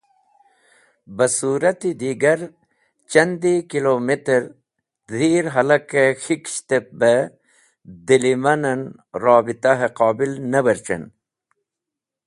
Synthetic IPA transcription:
bɐsuːɾɐt̪id̪iːɡɐɾ | t͡ɕɐnd̪ikiloːmit̪ɐɾ | d̪ʱiːɾɦɐlɐkexikɕt̪ep̚be | d̪ilimɐnɐn | ɾɑːbit̪aɦeqɑːbilnɐbɐɾt͡ɕɐ̰n

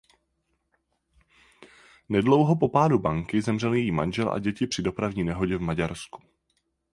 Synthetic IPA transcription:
nɛdlo̞wɦo̞po̞paːdubaŋkɪzɛmr̝ɛljɛjiːma̰nʒɛlʔa̰ɟɛcɪpr̝̥ɪdo̞pɾavɲiːnɛɦo̞ɟɛvmaɟaɾsku̥

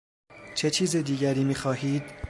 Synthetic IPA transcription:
t͡ʃʰe̞t͡ʃʰiːzed̪iːɟæɾiːmiːxɒːɦiːd̪̥

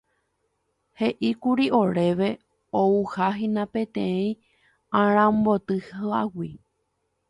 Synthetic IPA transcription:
he̞ʔikuɾiʔoɾe̞ʋe | ouhaɦĩnãpẽt̪ẽĩ | ãɾ̃ãmbot̪ɨhawi

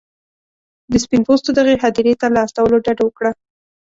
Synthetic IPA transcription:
d̪əspinpost̪od̪əɣeɦad̪iɾet̪alaːst̪awəloɖaɖawəkɽa

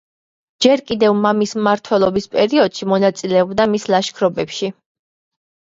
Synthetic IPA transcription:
d͡ʒɛɾkʼid̪ɛvmamismmaɾt̪ʰwɛlˠɔbispʼɛɾiɔd̪̥ʃimɔnat̪sʼilɛɔbd̪amislˠaʃkʰɾɔbɛpʃi

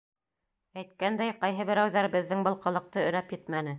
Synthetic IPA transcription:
æjt̪̚kænd̪æjqɑjɦɤβɘ̆ɾæwðæɾbɘ̆ðːɘŋbɤ̆lˠqɤ̆lˠɤ̆q̚t̪ɤɵ̆næpjɘt̪mænɘ

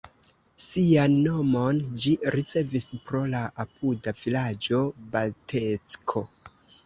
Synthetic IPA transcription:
sianːo̞mo̞nd͡ʒiɾit͡se̞vispɾo̞laʔapudavilad͡ʒo̞baltʰet͡skʰo̞

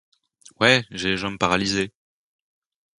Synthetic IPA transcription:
wɛʒeʒɑ̃məpaʁalize

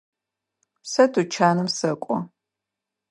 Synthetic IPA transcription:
sɐdut͡ʃʰaːnɨmsɐkʷʼɔ̰

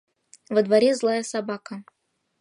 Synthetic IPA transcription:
vəd̪vɐɾʲezlˠajəsabakə

